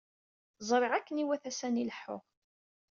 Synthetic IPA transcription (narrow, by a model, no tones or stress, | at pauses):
zˤɾˤɪʁækːəniwæθæsæniləħːʊ̰ʁ